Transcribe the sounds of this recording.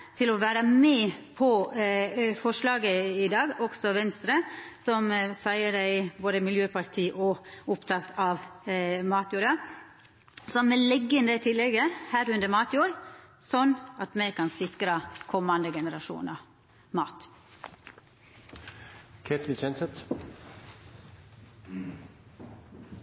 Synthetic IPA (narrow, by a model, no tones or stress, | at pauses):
t̪ʰɪlɔʋæːɾəmɛpʰɔ | fɔʂlɑːɡəɪd̪ɑːɡɔksɔʋɛnst̪ɾəsɔmsæɪəɖæɪboːd̪əmɪljøːpʰɑɾt̪ʰiːʔɔʊpt̪ʰɑt̪ʰɑʋmɑːt̪juːɾɑ | sɔmmɛlɛɡːənd̪ɛt̪ʰɪlːɛɡəhæːɾʉnd̪əɾmɑːt̪juːɾsɔnːɑt̪mɛkʰɑnsɪkɾɑkʰɔmːɑnd̪əɡɛnəɾɑʂṵːnɑ | mɑːt̪ | kʰet̪əlt͡ʃɛnsət̪